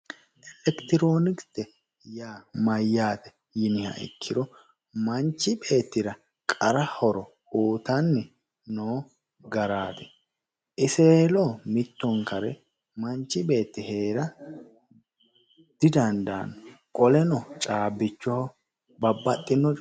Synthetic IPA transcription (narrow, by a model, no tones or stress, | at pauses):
ʔɛlɛkt̪ɪɾo̞ːnɪkt̪ɛ | jaːmɐjːaːt̪ɛ̥ | jɪnɪhɐ̰ʔɪ̰kʰːɪɾɔ | mɐnt͡ʃːɪbe̞ːt̪ːɪɾɐ | kʼɐɾɐhɔɾɔ | oːt̪ɐnːɛ | noː | ɡɐɾaːd̪ɛ̥ | ʔɪseːloːmɪt̪ːɔŋkɐɾɛ | mɐɲt͡ʃːɪbe̞ːt̪ːɪhe̞ːɾɐ | d̪̥ɪd̪ɐnd̪a̰ːnːɔkʼɔlɛnɔt͡ʃʼaːbːɪt͡ʃːɔhɔ | bɐbːɐt̪ʼːɪnːɔ